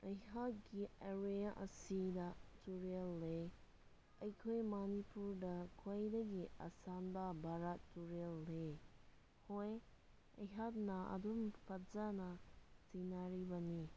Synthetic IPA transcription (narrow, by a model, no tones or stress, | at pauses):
ɐjɦat̚ɡiaɾejaʔɐsidatuɾelːe | ɐjkʰojmanipuɾdɐkʰojdɐɡia̰sanbabʱaɾattːuɾelːe | hoj | ɐ̰jɦat̚nɐɐ̰dumpʰɐtzanɐtinaɾibɐni